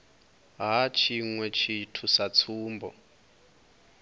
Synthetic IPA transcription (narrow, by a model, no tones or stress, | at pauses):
ɦat͡ʃʰiŋwɛt͡ʃʰitʰusat͡sʰuːmbɔ̰